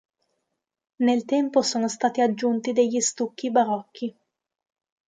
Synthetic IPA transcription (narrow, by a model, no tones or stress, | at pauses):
nelt̪ɛmposoːnost̪aːt̪iad͡ʒːunt̪id̪eʎːist̪ukːibaɾɔkʰːi